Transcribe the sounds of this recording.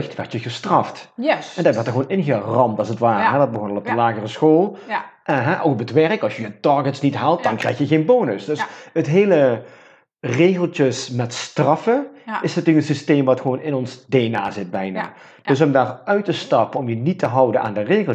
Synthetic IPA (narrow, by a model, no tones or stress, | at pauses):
ɪxtʋɛrtjəɣəstrɑftɛndɑtʋɔtəχɣʋoːnɪnɣərɑmtɑlˠsətʋaːrəɦɛdɑd̚bəɣɔnɑlˠɔp̚dəlaːɣərəsxoːlˠ | ʔɦɛʔowkbətʋɛrkɑlˠsjəjətɑɹɡətsnitɦaːlˠt̚d̥ɑnkrɛjxjəɣeːnboːnəsdɵsətɦeːlə | reːɣəlˠtəsmɛtstrɑfəɪsnatyːəkənsisteːmʋɑtxəʋoːnɪnɔnzdeːnaːzɪt̚bɛjna̰ː | d̥øs̬ɔmdaːrœɥtəstɑpəɔmjənitəɦɑwdəna̰ːndəreːɣəl